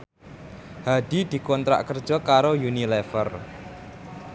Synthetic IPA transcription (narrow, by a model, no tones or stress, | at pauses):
had̥id̪̥i̤kɔnt̪ɾa̰ʔkərd̥ʒ̥ɔ̤kaɾojunilɛfər